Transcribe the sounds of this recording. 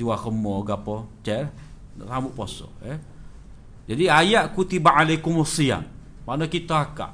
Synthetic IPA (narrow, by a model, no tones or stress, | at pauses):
uakəmɔɡapɔt͡ʃɛl̰ | ramuʔposɔ̰ɛ | d͡ʒadiajaʔkut̪ibaʔalekumusia̰m | maʔnakit̪əaka̰ʔ